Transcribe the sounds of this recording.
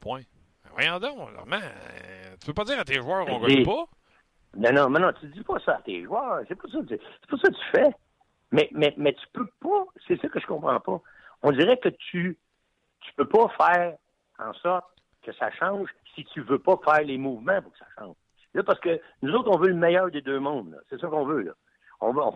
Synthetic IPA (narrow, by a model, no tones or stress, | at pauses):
pwɛ̃ | ɛvwa̰jɑ̃d̪ɔ̰̃lœ̰ʁmãt̪y̥pøpʌdziːʁat̪eʒwœːʁ̃ɡipɔ | mɛnɔ̃mɛ̃nɔ̃t̪ydd͡zipʌsɔat̪ḛːʒwœːʁsepɔsɔkt̪yse̥pɔsɔkət̪y̥fɛ | mɛmɛmɛt̪y̥pøpɔsɛsʌkəʒə̥kɔ̃pχɑ̃pɔ | ɔ̃d̪iːʁɛkət̪y | t̪y̥pøpɔfɛːʁ | ɑ̰̃sɔʁt̪̚ | kəsa̰ʃɑ̃ːʒsit̪yvøpɔfɛːʁlemuːvmãpʊʁkə̥sḁʃɑ̰̃ːʒ̥ | lʌpaʁsə̥kənuzoʊt̪χɔ̃vøləmɛjœːʁd̪ed̪øːmɔ̃d̪lɔ̰sɛsɔkɔ̃ːvølɔ̰ | ɔ̰̃vɔ̃